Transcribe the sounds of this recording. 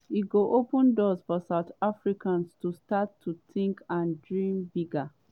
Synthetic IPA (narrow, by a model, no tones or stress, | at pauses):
iɡoʔopə̃ndɔzfɔsaʊtafɹikãnstustatʰːutĩŋkãndɹĩmbiɡa